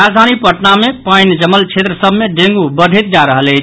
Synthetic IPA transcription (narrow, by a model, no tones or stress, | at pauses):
ad͡ʒd̪ʱanipəʈnamepəjnd͡ʒəməlt͡ʃʰet̪ɾəsəbʱmeɖẽŋɡubəɖʱet̪̚d͡ʒaɾəɦələɪt͡ʃʰ